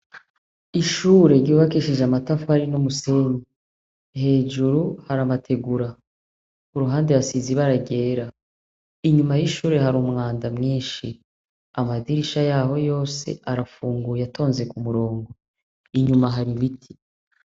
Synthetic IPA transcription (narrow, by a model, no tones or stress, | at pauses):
iʃuːɾe̞ɾɟuːβakiʃiʒamatafuhaɾinomuse̞ɲi | he̞ːʒuɾuhaɾamatʰe̞ɡuɾa | kuɾuɦaːndeβasiziβaɾaɟe̞ːɾa | iɲumajiʃuːɾe̞ɦaɾumŋaːndamŋiːnʃi | amadiɾiʃajaːho̞jo̞ːse̞̰ʔaɾafuːŋɡujato̞ːnze̞kumuɾo̞ːŋɡo̞ | iɲumaɦaɾiβitʰi̥